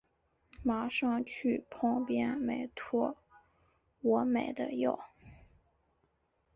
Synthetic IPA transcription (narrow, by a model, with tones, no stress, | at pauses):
ma˧˥ʂɑ˥˧ŋt͡ɕʰy˥˩pʰɤ˧˥ŋpjɛ˥nme˨˩ɪt̪ʰwɔ˥ | wɔ˧˥me˨˩ɪd̪ə̰˦jɑ˥˩ʊ